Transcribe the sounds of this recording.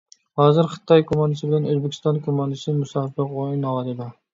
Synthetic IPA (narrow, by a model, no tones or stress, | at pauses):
hɑːzɪɾχɨ̥t̪ʰɑjkʰumɑnɪsɪbɪlɛnøzbɪkʲʰɪ̥st̪ɑnkʰumɑnd̪ɪsɪmusɑbɪqojinɑlˠɑd̪ɪd̪ʊ